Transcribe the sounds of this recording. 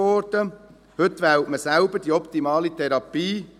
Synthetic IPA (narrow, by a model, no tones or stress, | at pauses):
ɔɾd̥ə | hʏt̪ːʋæwtməsæʊbəɾd̥iːɔpt̪imɑːlit̪ʰɛɾɑpiː